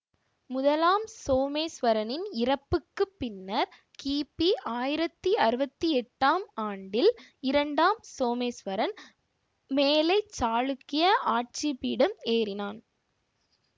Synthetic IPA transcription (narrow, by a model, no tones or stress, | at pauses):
mʊðɐlaːmsoːmeːsʋɐɾɐnɪnɪɾɐpːɯkːɯpːɪnːɐɾ | kiːpiʔaːjɪɾɐt̪ːiɐɾɯbɐt̪ːɯɛʈːaːmaːɳɖɪlɪɾɐɳɖaːmsoːmeːsʋɐɾɐn | meːlɐɪt͡ʃːaːɻɯkːɪjɐʔaːʈ̚t͡ʃipiːɽɯmeːrɪnaːn